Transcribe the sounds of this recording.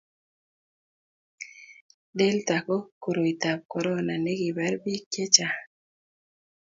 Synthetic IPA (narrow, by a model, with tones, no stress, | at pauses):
de˦lt̪a˨ko˦ko˨ɾo˨i˨t̪a˨p̚kɔ˨ɾɔ˦na˨ne˦ɡi˨ba˦ɾbi˦kje˦t͡ʃa˨